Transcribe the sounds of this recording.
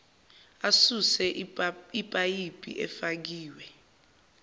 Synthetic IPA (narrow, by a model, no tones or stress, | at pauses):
asusɛipʼajipʼḭʔɛ̰fak̬iːwɛ